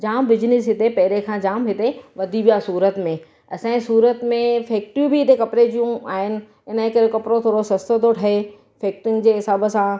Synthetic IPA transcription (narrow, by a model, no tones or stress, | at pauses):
d͡ʑaːmbɪd͡ʑɪnɪsɦɪt̪epɐɦɪɾekʰãːd͡ʑaːmɦɪt̪eʋɐd̪ʱiʋijasuːɾət̪mẽ | ɐsãːĩsuːɾət̪mẽfeːk̚ʈɾiubʱɪɦɪt̪ekɐpɾed͡ʑijũaːɦɪnɪ̆ | ɪnəẽkɐɾekɐpɾot̪ʰoːɽosɐst̪ət̪oʈʰɐɦe | feːk̚ʈɪ̃ŋɡd͡ʑeːɦɪsaːbəsã